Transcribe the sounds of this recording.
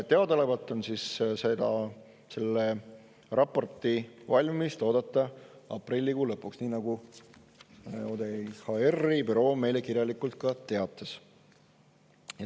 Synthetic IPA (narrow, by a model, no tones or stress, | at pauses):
t̪e̞ɑd̪olevɑlt̪ːˑo̞nsisse̞d̪̥ɑ | se̞lːe | rʔɑpːˑo̞rt̪ˑivɑlʲmmist̪o̞ːd̪̥ɑt̪ˑːɑɑ̰prilʲːikulɤpːˑuksniːnɑɡ̥u | od̪ehɑerːibyɾo̞ːme̞jle̞kirjɑlikˑult̪̚kɑt̪e̞ɑt̪ːˑɑs | j